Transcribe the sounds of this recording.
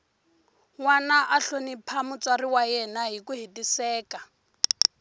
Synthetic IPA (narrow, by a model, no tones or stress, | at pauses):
ŋwanaʔaɬonipʰamʊt͡sariwajɛnaɦikuɦitisɛːka